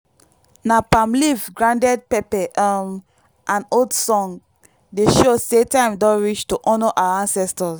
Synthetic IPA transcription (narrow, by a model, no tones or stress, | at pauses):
napãmlivɡɹãndɛd̚pɛpɛʔm | ʔãnoldsɔ̃ŋ | deʃosetãɪ̃mdɔ̃ɹit͡ʃtoʔɔnɔʔawaãnsɛstɔs